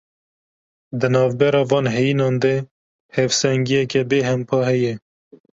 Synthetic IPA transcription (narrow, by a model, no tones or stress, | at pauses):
d̪ɨnɑːvbɛɾɑːvɑːnɦɛjinɑːnd̪e | hɛvsɛŋɡijɛkɛbeːɦɛmpʰɑːhɛjɛ